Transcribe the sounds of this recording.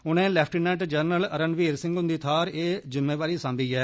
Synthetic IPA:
ʊnẽːlɛːpʰʈiːnɛːʈd͡ʒəɾnələɾənʋiːɾsɪ̃ŋɡɦʊnd̪iːt̪ʰaːɾeːzɪmːẽːʋaːɾiːsãːnd̪iːɦɛː

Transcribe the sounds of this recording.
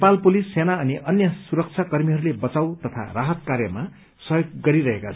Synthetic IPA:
palpulisːenaʌniʔʌnjʌsuɾʌk̚t͡sʰakʌrmiɦʌɾulebʌt͡sawt̪ʌt̪ʰa̰raɦʌt̪kaɾjʌma | sʌjoɡːʌɾiɾʌɦekat͡sʰ

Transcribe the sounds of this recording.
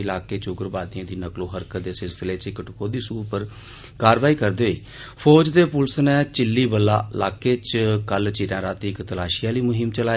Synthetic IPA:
ɪlaːkeːt͡ʃʊɡəɾbaːd̪iãːd̪iːnəkloːɦəɾkəd̪eːsɪlsɪleːt͡ʃɪkəʈkoːd̪iːsuːpəɾ | kaːɾʋaːiːkəɾd̪eɦoḭː | pʰɔːd͡ʒd̪eːpʊlsnɛːt͡ʃɪlːiːbəlːa̰ːɪlaːkeːt͡ʃkəlt͡ʃiːɾãːɾaːt̪iɪkt̪əlaːʃɪjãːliːmʊɦɪmt͡ʃəlaː

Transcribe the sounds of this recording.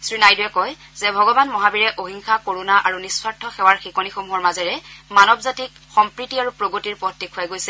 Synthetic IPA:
sɹinajduɛkɔj | zɛbʱɔɡɔbanmɔɦabiɹɛʔoɦiŋxakoɹunaʔaɹunispaɹtʰːɔxɛwaɹxikɔnixomuɦɔɹmazɛɹɛmanɔbzatik | xɔmpɹitiaɹupɹoɡotiɹpɔtːikʰujaɡojsɛ

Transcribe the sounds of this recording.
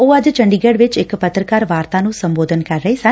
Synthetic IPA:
oʋɐd̪ɨt͡ʃɐɳɖiɡeːɽʋet͡ʃekːɐpɐt̪ɾɐkaːɾʋaːɾt̪ʰaːnusɐmboːd̪ʱɐnkɐɾːɐjsa

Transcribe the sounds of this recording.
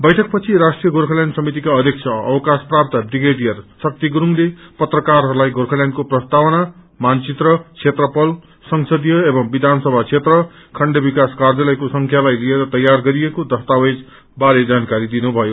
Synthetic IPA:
bʌjʈʰʌk̚pʌt͡sʰiɾasʈrijʌɡoɾkʰʌljaɳɖsʌmit̪ikaʌd̪ʱjek̚t͡sʰʌʌwʌkasprap̚t̪ʌbiɡeɖijʌrsʌk̚t̪iɡɾuŋlepʌt̪rʌkarɦʌɾulajɡorkʰʌljaɳɖkoprʌst̪awʌna | mant͡sit̪rʌt͡sʰet̪rʌpʌl | sʌŋsʌd̪ijʌebʌŋbid̪ʱansʌbʱat͡sʰet̪rʌ | kʰʌɳɖebikaskard͡zʌlʌjkosʌŋkʰjalajlieɾʌt̪ʌjːarɡʌɾijekod̪ʌst̪awed͡z | baɾed͡zankaɾid̪inubʱʌjo

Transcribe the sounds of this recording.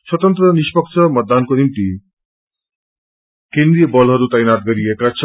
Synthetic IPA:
swʌt̪ʌnt̪ɾʌnispʌkt͡ʃʰʌmʌt̪ːankonimt̪i | kend̪ɾijʌbɔlɦʌɾut̪ajnaʈ̚ɡʌɾiekat͡ʃʰ

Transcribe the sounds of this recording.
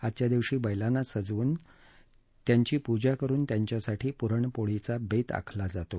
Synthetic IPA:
ad̪t͡ɕjad̪iʋɕiːbəjlanasəd͡zʋuːn | t̪jaɲt͡ɕiːpud͡ʑakəɾuːnt̪jaɲt͡ɕjasaʈʰiːpuɾəɳpoɭit͡sabet̪a̰kʰlad͡zat̪o

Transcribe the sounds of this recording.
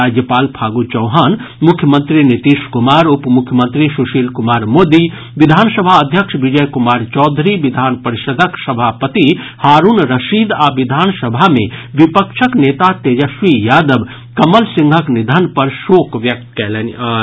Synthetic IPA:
ad͡ʒjəpaːlpʰaːɡut͡ʃɐwɦaːnmʊkʰːjəmə̃nt̪ɾinit̪iːʃkʊmaːɾʊpmʊkʰːjəmə̃nt̪ɾiʃuʃiːlkumaːɾmoːd̪i | ʋid̪ʱaːnsəbʱaəd̪ʱjəkʂʋid͡ʒəjkumaːɾt͡ʃɔːd̪ʱɾiʋid̪ʱaːnpɐɾɪʃəd̪ʱəksɐbʱaːpət̪i | haːɾuːnɾɐʃiːd̪aːʋid̪ʱaːnsɐbʱamẽʋipəkʃʰəkneːt̪at̪eːd͡ʒəʃʋijaːd̪əb | kɐməlsɪ̃ŋɡʱəknid̪ʱənpɐɾʃoːkʋjɐk̚t̪kɛlen

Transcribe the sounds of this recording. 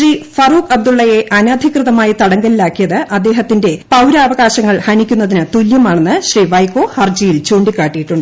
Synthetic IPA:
riːfɐruːkɐb̚d̪uɭːɐje̞ʔɐnaːd̪ʱikrɨðɐmaːjit̪ɐɽɐŋɡɐlilaːkːijɐðɨʔɐd̪ːe̞ːɦɐt̪ːinde̞pɐwɾɐːʋɐɣaːɕɐŋːɐɭhɐnikʲːunːɐðinɨt̪uljɐmaːɳe̞nːɨɕriːʋɐjkːo̞ːhɐrd͡ʑijilt͡ɕuːɳɖikːaːʈːijiʈːuɳɖɨ

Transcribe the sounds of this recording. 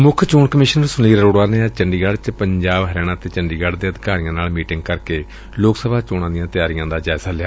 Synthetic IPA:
mʊkʰt͡ʃoːɳkəmɪːʃnəɾsʊniːɾɾoːɽaːneːt͡ʃəɳɖiːɡaɽt͡ʃpəɲd͡ʒaːbɦəɾɛːɽ̃ãːt̪eːt͡ʃəɳɖiːɡaːɽd̪eːəd̪ɪkaːɾijãːnaːlmiːʈɪŋɡkəɾkeː | loːksəbʱaːt͡ʃoːɽãːd̪ijãːt̪ɪjaːɾijãːd̪aːd͡ʒaːɪzaːlɪjaː

